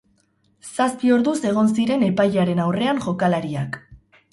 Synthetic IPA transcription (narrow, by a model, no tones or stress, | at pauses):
saspio̞ɾðuse̞ɣ̞o̞nsiɾe̞ne̞pajaɾe̞nawre̞anʝo̞kalaɾiak